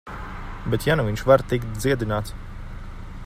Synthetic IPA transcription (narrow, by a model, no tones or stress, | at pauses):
bet̪januviɲʲʃvaɾt̪ikt̪̚d̪ziɛd̪inaːt̪s